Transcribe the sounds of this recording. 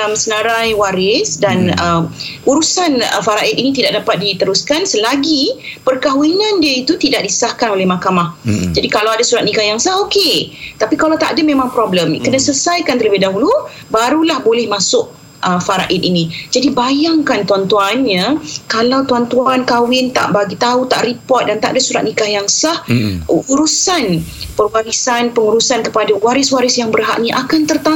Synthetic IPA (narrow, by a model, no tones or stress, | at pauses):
amsənaɾajwaɾɪsdanəmuɾusanə̰faɾaʔɪt̪̚inĩt̪̬idaʔ̚dapat̪̚dit̪əɾuskansəlaɡipərkawinãndiəit̪ut̪idaʔ̚disə̥sahkanolɛhmakamahd͡ʒadikalawadasuɾat̪̚nikajaŋsaoket̪apikalawt̪a̰ʔdamẽmãŋpɾɔbləmkənasəsajkant̪ələbɪɦdaɦulu | baɾulahbolɛhmãsʊʔ̚ | ʔəfaɾaʔɪninĩd͡ʒadibajaŋkant̪uant̪uanɲakalawt̪uant̪uankawɪnt̪a̰ʔbaɡit̪aut̪aʔripɔt̪̚dant̪a̰ʔdasuɾat̪̚nikahjaŋsahuɾusanpərwaɾisanpəŋuɾusankəpadawaɾɪswaɾɪsjaŋbərɦa̰ʔnĩʔa̰kant̪ərt̪a